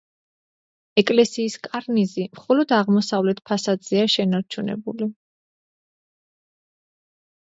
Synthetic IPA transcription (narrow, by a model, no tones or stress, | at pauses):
ɛkʼlɛsiːskʼaɾnizimχɔlɔd̪aʁmɔsavlɛt̪ʰpʰasad̪z̥ɛaʃɛnaɾt͡ʃʰunɛ̰bṵli